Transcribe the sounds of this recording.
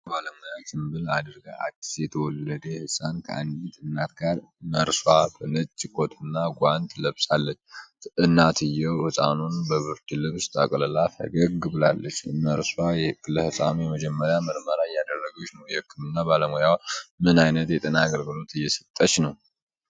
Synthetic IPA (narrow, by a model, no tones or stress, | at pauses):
baləmojawsɨmbɨlad̪ɨɾɡaʔa̰t̪ːi̥sjɛt̪ʰəwɔlːəd̪ehɨsʼankʰə̰ʔa̰nd̪it̪ʼɨnːat̪ɡaɾ | məɾswabɨnɨt͡ʃʼːɪkʼot̪ʰɨnːaɡʷant̪ləβsʼalːət͡ʃːʔɨnːat̪ʰɨjːɛwhɨsʼa̰nunbəβɨɾt̪ʰɨlɨβst̪ʼə̰kʼlɨlafə̰ɡəɡɨbɨlalːət͡ʃːməɾswajkɨlːəhɨsʼa̰nujɛməd͡ʒɛmːəɾjaməɾməɾaɨjːad̪ərːəɡut͡ʃːnəwjɛhɨkːɨmɨnːabaləmojawmɨnajnət̪jɛt̪ʼənaːɡəlɡɨlo̞t̪ɨjːɛsə̥t̪ʼːəʃnəw